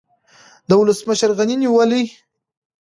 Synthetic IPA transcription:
d̪əwʊləsməʃəɾɣaniniwəli

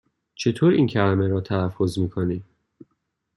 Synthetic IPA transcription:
t͡ʃʰe̞t̪ʰoːɾiːncʰælæmeɾɒːt̪ʰælæfːozmiːkʰoniːm

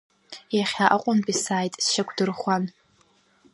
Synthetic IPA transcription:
jaχʲaʔaqʷʼʊnpʼisaːjtʼsʃakʷʰdɨrχʷan

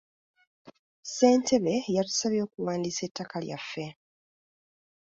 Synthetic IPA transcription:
se̞ːntʰe̞βe̞jatu̥saβjo̞ːkuwaːndiːse̞tːakalja̰fːe̞

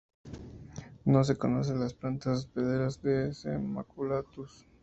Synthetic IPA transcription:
no̞s̬e̞ko̞no̞s̬e̞nlasplant̪azbeðeɾazd̪esḛma̰kulat̪us

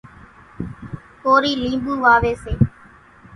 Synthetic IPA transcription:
koːɾiːlĩːmbuːʋaːʋeːseː

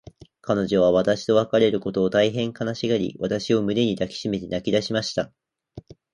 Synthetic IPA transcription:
kano̞d͡ʑo̞β̞aβ̞at̪aɕi̥t̪o̞βakaɾe̞ɾɯ̟ko̞t̪o̞ːt̪aiɦẽ̞ŋkanaɕiɡaɾʲḭβat̪aɕio̞mɯ̟d̪e̞ɲ̟id̪akʲi̥ɕime̞t̪e̞nakʲid̪aɕimaɕi̥t̪a

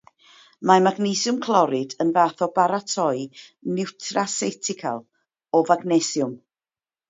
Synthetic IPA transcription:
mamaɡnejsjʊmkʰlˠɔɾɪdənvaːθɔbaɾatʰɔɨnɪwtʰrasɛtʰɪkʰa̰lˠ | ɔvaɡnɛsjʊm

